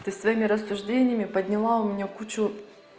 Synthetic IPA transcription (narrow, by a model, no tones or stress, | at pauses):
t̪ɨsvɐjimʲɪɾəsːʊʐdʲenʲɪjəmʲɪpədʲnʲɪlˠaʊmʲɪnʲekut͡ɕʊ